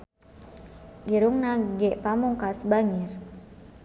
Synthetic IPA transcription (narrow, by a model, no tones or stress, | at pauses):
ɡiɾuŋnaɡɛʔpamuŋkasbaŋir